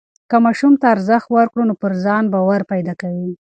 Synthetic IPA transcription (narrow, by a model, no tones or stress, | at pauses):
kamɑʃumt̪aːɾzəxt̪waɾkɽonopəɾzɑnbawaɾpajd̪ɑkawi